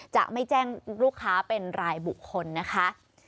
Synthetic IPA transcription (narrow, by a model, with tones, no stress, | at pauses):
t͡ɕa̰ː˨˩k̚ma˥˩jt͡ɕɛː˥˩ŋɾuː˥˩kʰːaː˦˥pe˧nɾaː˧jbu˨˩kʰːo˧nːa˦˥kʰa˦˥